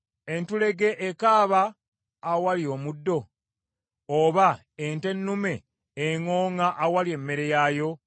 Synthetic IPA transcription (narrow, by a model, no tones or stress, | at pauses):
e̞ntule̞ɡe̞ʔːkaːβaː | walio̞ːmudːo̞ | oβa | ente̞nːume̞ː | ŋoːŋaʔawalie̞mːe̞ɾe̞jajo̞